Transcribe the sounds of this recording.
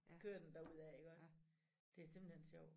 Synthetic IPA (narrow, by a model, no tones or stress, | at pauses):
kʰøɐ̰d̥end̥æuð̞̰ˠæe̝ɡ̥ɒ̽s | d̥e̝æse̝mb̥l̩henɕɒʊ̰